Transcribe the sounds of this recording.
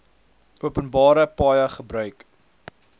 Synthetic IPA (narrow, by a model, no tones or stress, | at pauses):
uəpənbɑːɾəpɑːjəχəbɾœɥk